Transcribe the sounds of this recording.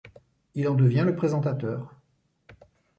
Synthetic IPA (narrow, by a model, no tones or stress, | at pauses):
ilɑ̃d̪əvjɛ̃ləpχezɑ̃t̪at̪œːʁ